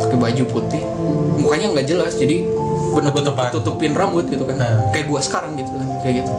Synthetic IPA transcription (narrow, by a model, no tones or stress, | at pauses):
akibad͡ʒuput̪ɪh | mukaɲaŋɡad͡ʒəlasd͡ʒadibənəbət̪ət̪ut̪upɪnrambʊt̪̚ɡit̪ukankajaduahsə̥kaɾaŋɡit̪ukakajaɡit̪u